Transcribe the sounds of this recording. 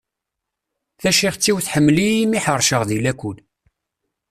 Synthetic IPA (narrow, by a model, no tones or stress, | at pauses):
θæʃiχt͡sːiwθħəmːlimiħəɾˤʃəʁðilækʷul